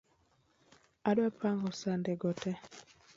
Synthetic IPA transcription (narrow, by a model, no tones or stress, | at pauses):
adwapʰaŋɡɔsandɛɡɔtɛ